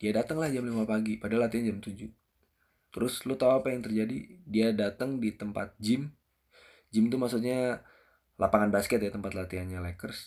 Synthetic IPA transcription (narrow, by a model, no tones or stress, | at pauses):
d̥iadat̪əŋlahd͡ʒamlimapaɡipadalat̪iand͡ʒamt̪ud͡ʒu | t̪əɾʊslʊt̪auapajaŋt̪ərd͡ʒadḭdiadat̪əŋdit̪əmpa̰t̪̚d͡ʒɪm | d͡ʒɪmt̪umasut̪̚ɲa | lapaŋanbaskɛt̪jat̪əmpat̪lat̪ianɲalɛkərs